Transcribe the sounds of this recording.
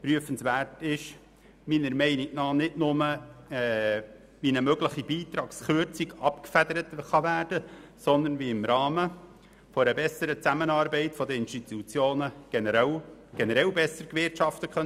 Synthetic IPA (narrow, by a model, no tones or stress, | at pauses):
pɾyəfənsʋæːrtɪʃ | miːnəɾmɛɪnik̚nɑːnɪdnʊməɛː | ʋinəmøɡləχibiːt̪ɾɑːksχʏɾt͡siɡɑpkfæd̪əɾət̪χɑvæːrdəsɔnd̪ənviɪmɾɑːmə | fɔɾəbɛsəɾət͡sæmənɑːɾbɛɪtfɔd̪əɪnstit̪ut͡sjoːnəɡ̥ɛnəɾɛlɡ̥ɛnəɾɛlbɛsəɾkʋɪrtʃɑft̪əkχœ